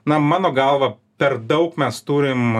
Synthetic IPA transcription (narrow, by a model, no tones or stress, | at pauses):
nɐmɑːnoːɡɐlˠʋɐ | pʲɛrd̪ɐʊkmʲɛst̪uːɾʲɪm